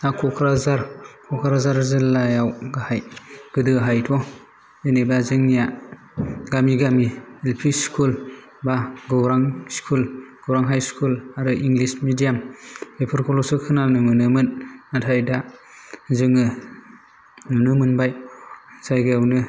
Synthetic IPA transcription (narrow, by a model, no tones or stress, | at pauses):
nakʰɔkʰɾazaɾkʰɔkʰɾazaɾzɯlːajawɡahajɡ̥ɯdɯaɦajtʰɔ | enebazɯŋnija | ɡamiɡamielpʰiskʰul | baɡɯwɾaŋskʰulɡ̥owɾaŋɦajskʰulaɾɯʔiŋɡlismidijamepʰɯɾkʰɔlɔsɯkʰɯnanɯmɯnɯmɯnatʰajda | zɯŋɯ | nɯnɯmɯnbajzajɡɯjawnɯ